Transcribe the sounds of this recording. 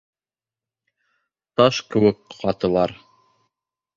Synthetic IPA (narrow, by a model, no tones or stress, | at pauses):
t̪ɑʃkɘ̆wɘkqɑt̪ɤ̆lˠɑɾ